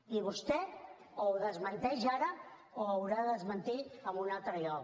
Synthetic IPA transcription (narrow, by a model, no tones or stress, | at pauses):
iβ̞ust̪ɛ | owðəzmənt̪ɛʒaɾə | oəwɾaðəzmənt̪iəmbunalˠt̪ɾəʎɔk